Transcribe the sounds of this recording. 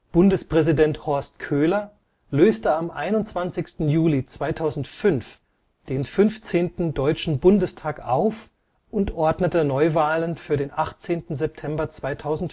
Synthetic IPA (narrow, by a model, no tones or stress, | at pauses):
b̥ʊndəspʁ̥ɛzidɛnthɔɐst̚kʰøːlɐ | løːstəamʔa̰ɪnʊnt͡sv̥ant͡sɪçstn̩juːlit͡sv̥aɪtʰaʊzn̩tfʏnf | d̥eːnfʏnft͡seːntn̩dɔʏt͡ʃn̩bʊndəstʰaːkʔaʊf | ʔʊntʔɔɐdnətənɔʏvaːlənfyːɐdeːnʔaχt͡seːntn̩zɛp̚tʰɛmbɐt͡sv̥aɪtʰaʊzn̩t